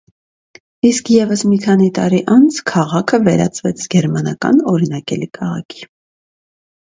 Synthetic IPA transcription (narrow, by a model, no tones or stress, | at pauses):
iskʰjɛvəsmikʰɑnit̪ɑɾiʔɑnt͡sʰkʰɑʁɑkʰəvɛɾɑ̰t͡svɛt͡sʰɡ̥ɛɾmɑnɑkɑ̰nɔɾinɑkɛlikʰɑʁɑ̰kʰi̥